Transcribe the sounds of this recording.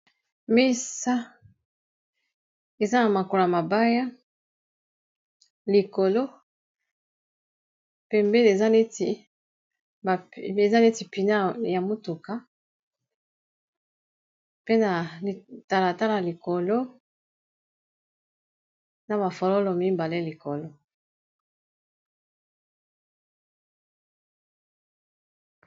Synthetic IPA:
mi˦sa˦ | e˨za˦na˨ma˨ko˨lma˨ba˦ja˦ | li˨ko˨lo˦ | pɛ˨mbɛ˦ne˨za˦ne˦ti˨ | ba˨e˨za˦le˦ti˨pi˨na˦ja˨mo˦tu˨ka˦ | pe˦na˨ta˨la˨ta˦la˨li˨ko˨lo˦ | na˨ba˨fɔ˨lɔ˦lɔ˨mi˦mba˨le˦li˨ko˨lo˦

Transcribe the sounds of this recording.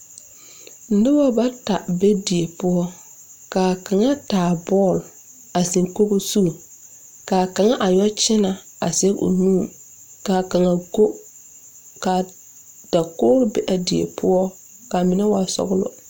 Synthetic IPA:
n̩˨˦dɪ˦ba˦ba˦ta˨bɛ˦di˨e˨pʊ˦ɔ˦ | kaː˨ka˨ŋa˦taː˨bɔ˦˨l | a˨si˨ŋko˦ɣo˦su˦˨ | kaː˨ka˨ŋa˦ʔa˨ɲɔ˦t͡ʃɪ˦na˨ | a̰˨sɛ˦ṵ˨nũː˦˨ | kaː˨ka˨ŋa˨ko˦ | ka˨ | da˨koː˦ɾʊ˦bɛ̰˨ʔa˨di˨ḛ˨pʰʊ˦ɔ˦ | ka˨mɪ˨nɛ˦wa˨sɔ̰˦ɣʊ˦lʊ̰˦

